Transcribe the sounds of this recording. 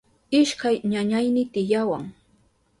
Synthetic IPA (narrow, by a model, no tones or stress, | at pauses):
ɪʃkajɲaɲajnɪt̪ɪjawa̰ŋ